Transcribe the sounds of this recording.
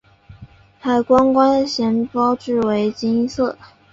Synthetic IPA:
xa˨˩ɪkwa˥nkwa˥nɕjɛ˧˥npɑ˥ʊʈ͡ʂɻ̩˥˩we˧˥ɪt͡ɕi˥ŋsɤ˥˩

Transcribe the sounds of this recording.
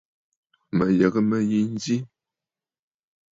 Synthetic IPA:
mə˨jə˨ɣə˦mə˨ji˦n˦zi˦

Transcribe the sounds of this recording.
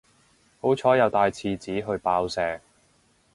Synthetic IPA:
ho˨˥wt͡sʰɔː˨˥jɐ˨˧wt̪aː˧jt͡sʰiː˧t͡siː˨˥ɦɵ˧ɥpaː˧wsɛː˨˧

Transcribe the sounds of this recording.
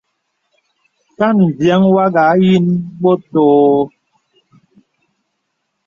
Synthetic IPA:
ka˦˨n˨vjɛ˨˦ŋwa˦ɡa˨˦ji˦nɓo˦toː˨˦

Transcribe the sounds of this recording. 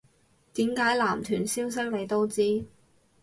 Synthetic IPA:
t̪iː˨˥mkaː˨˥jlaː˨˩mt̪ʰyː˨˩nsiː˥ws̬ɐ˥ŋ̚ne˨˧jt̪o˥wt͡siː˥

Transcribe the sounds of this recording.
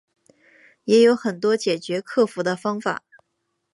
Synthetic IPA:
jɛ˧˥jo˧˥ʊxə˨˩nt̪wɔ˥t͡ɕjɛ˨˩t͡ɕɥɛ˧˥kʰɤ˥˩fu˧˥d̪ə˧fɑ˥ŋfa̰˨˩˦

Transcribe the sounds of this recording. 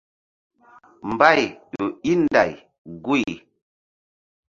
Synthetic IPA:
m˨ba˦˨jjo˨i˦nda̰˨j | ɡu˦i˨

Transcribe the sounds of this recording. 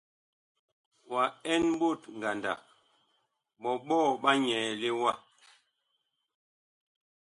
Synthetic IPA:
wa˨ɛ˦nm̩˦bo˦˨tŋ̩˨ɡa˨nda̰˨ | ɓɔ˨ɓɔː˦˨ɓa˦ɲɛ˨le˦wa˦˨

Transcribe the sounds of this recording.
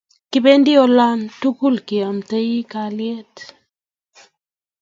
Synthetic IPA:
kɪ˦be˦ndɪ˦ɔ˦la˦ntu˦ku˦lkɪ˨a˨mtə˦ji˦ka˨ljɛ˦t

